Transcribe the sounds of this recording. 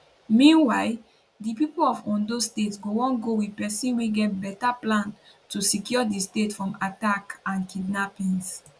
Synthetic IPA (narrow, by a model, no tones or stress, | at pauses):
mĩnwaɪ | dipipolɔfɔ̃ndostetsɡowɔ̃nɡowipɛsĩnweɡɛt̚bɛtaplãn | tusikjɔdistetfɹɔ̃matakãnkidnapĩns